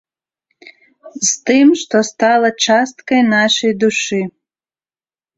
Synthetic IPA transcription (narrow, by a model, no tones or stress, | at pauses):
zt̪ɨmʂt̪ɔst̪alˠɐt͡ʂast̪kɐjnaʂejd̪uʂɨ